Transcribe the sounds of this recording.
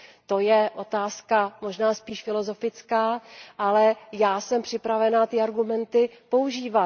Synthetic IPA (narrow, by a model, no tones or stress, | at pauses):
t̪o̞jɛʔo̞t̪aːskamo̞ʒnaːspiːʃfɪlo̞zo̞fɪt͡skaːʔalɛjaːsɛmpr̝̥ɪpɾavɛnat̪ɪaɾɡumɛnt̪ɪpo̞uʒiːva